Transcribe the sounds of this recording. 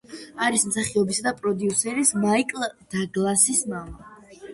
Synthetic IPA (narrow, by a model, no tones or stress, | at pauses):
aɾismsaχiɔbisad̪apʼɾɔd̪iusɛɾismaikʼlˠd̪̥aɡlˠasismava